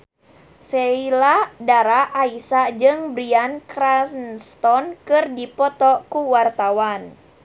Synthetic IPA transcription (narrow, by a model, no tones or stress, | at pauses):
seiladaɾaʔaisad͡ʒɨŋbɾiankɾanst̪ɔnkɨrdipɔt̪ɔkuwart̪awan